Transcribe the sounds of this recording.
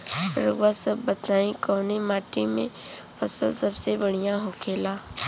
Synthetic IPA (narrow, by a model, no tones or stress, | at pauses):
ɾəɡʋasəbːət̪naːĩkɔːnemaːʈimḛ̃ | pʰəsəlsəbsebəɽ̤ijãɦoːkʰeːlaː